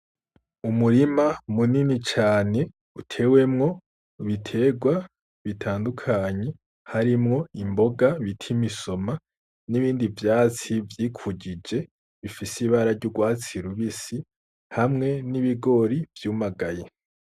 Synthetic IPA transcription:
umuɾimamuninit͡ʃaːne̞ | utʰe̞ːwe̞mŋo̞ | βitʰe̞ːɡwa | βitʰaːndukʰaɲe̞ | haɾimŋo̞imbo̞ɡaβitʰimiso̞ma | niβiːndivjaːt͡sivjiːkʰuɟid͡ʒe̞ | βifisiβaɾaɾɟuɡwaːt͡siɾuβisi | hamŋe̞niβiɡo̞ɾivjuːmaɡaje

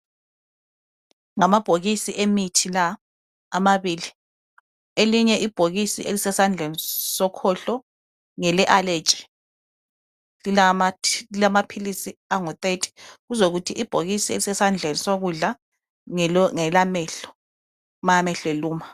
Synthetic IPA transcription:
ŋamab̥ʱoɣisiʔemitʰilaː | maβiːli | eliɲɛʔib̥ʱoɣisḭʔelisɛsand͡ɮʱenisɔkʰɔɬɔ | ŋɛlɛʔale̥t͡ʃʼi̥ | iamailamapʰilisiaŋɔt̪ʼetʼʰi̥ɣuzoɣutʰiʔib̥ʱoɣisielisɛsand͡ɮʱenisoɣuɮa | ŋɛlamɛːɬɔ̥ | maamɛɬeluːma

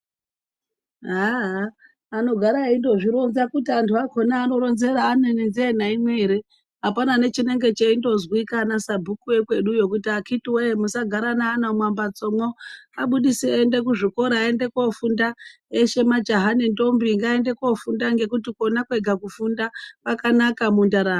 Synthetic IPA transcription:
ɦaɦaː | no̞ɡʱaɾaindo̞ʐiɾo̞nzakutiantʰuakʰo̞naːno̞ɾo̞nze̞ɾaːnenend͡zenaimwe̞ːɾe | ɦapanane̞t͡ʃine̞ŋɡe̞t͡ʃeindo̞zwikanasabʱukuwe̞kwe̞ɗujo̞kutiakitiweemusaɡʱaɾanaːnamwambat͡so̞moaɓuɗisiende̞k̬uʐiko̞ɾaːende̞kofunda | eʃe̞mad͡ʒaɦanendo̞mbiŋɡaende̞ko̞fundaŋɡe̞kutiko̞nakwe̞ɡʱakufundapakanakamundaɾa

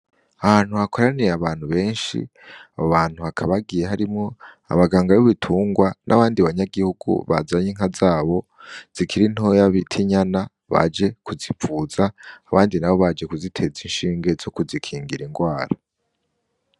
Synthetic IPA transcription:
ahaːn̥huhako̞ɾanijeaβaːn̥huβe̞ːnʃḭ | aβoβaːn̥huhakʰaβaɡije̞ɦaɾimŋo̞ | a̰βaɡaːŋɡajoβitʰuːŋɡwanʔa̰βaːndiβaɲaɡihuɡṵβa̰zaɲiŋɦazaːβo̞z̥ikiɾin̥hojaβitʰiɲana | βa̰d͡ʒe̞kuzifuːzaːβaːndinaβo̞βad͡ʒe̞kuzitʰe̞zinʃiːŋɡe̞zo̞kuzikʰiːŋɡiɾiŋɡwaːɾa

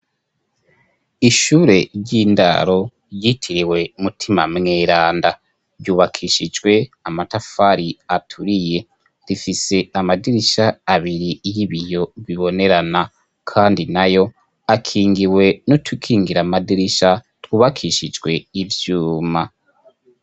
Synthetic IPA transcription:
iʃuːɾe̞ɟiːnda̰ɾo̞ | jitʰiɾiwe̞umutʰimamŋeːɾaːnda | ɾɟuːβakʰiʃid͡ʒɡwe̞amatafaɾiatʰuɾije̞ | ɾifise̞amadiɾiʃaːβiɾijiβijo̞βiβo̞ne̞ɾana | kʰaːndinajo̞ | akʰiːŋɡiwe̞nutʰukʰiːŋɡiɾamadiɾiʃa | twuːβakʰiʃid͡ʒɡwe̞ivjuːma

